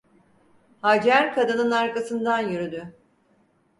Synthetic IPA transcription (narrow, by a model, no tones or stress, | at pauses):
had͡ʒæɾkʰad̪anɯnaɾkasɯnd̪anjyɾyd̪y